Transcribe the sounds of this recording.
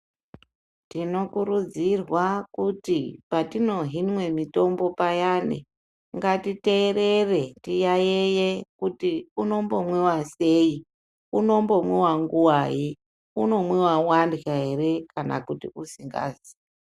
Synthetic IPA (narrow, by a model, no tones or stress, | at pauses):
tino̞kuɾud͡zirwakutipatino̞ɦinwe̞mito̞mbo̞pajanḛ | ŋɡatite̞ːɾe̞re̞tijajejekutiuno̞mbo̞mwewase̞i | uno̞mbo̞mwewaŋɡuwaji | uno̞mwewawandɣaɦe̞ɾe̞kana̰kutḭusiŋɡa̰ːzi̥